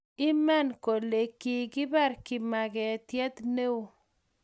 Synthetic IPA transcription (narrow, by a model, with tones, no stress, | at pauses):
ɪ˦ma˦nko˨le˨kːi˨kɪ˦ba˦˨ɾki˨ma˨ɡɛ˨t̪jɛ˦t̪ne˦wo˨